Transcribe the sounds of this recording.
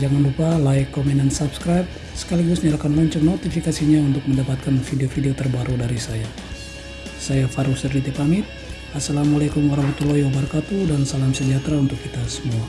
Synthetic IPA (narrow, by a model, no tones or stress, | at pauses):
d͡ʒaŋanlupalaikːɔmɛndansapskɾajp̚ | sə̥kaliɡusɲaɾakanlɔɲt͡ʃɔŋnot̪ifikasiɲaunt̪ʊk̚məndapat̪̚kanfideofideot̪ərbaɾudaɾisaja | sajafaɾusd̪ərdit̪epamɪt̪̚ | asːalamulakumaɾabut̪ulojabərkat̪udansalamsəd͡ʒat̪ɾaunt̪ʊkːit̪asə̥mua